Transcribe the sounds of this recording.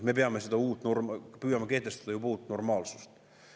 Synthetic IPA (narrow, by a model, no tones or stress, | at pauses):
me̞peɑmesed̪ɑuːt̪ːˑnormpyːjɑmɑke̞ht̪ːest̪ɑd̥̪ɑjubuːt̪ːˑno̞rmɑːlsu̥st̪